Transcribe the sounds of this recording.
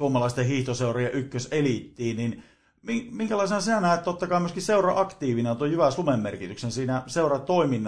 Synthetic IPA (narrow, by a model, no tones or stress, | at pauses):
uomɑlɑˑist̪ehiht̪oseˑurɑjɑʔykːøsʔelit̪ːiːnnin | miŋmiŋkælɑˑisenɑsinænæˑet̪t̪ːot̪ːɑkɑˑimyøskisseurɑɑkt̪iːʋinet̪ojjyʋæsumemːerkit̪yksensiːnæseˑurɑt̪oiminː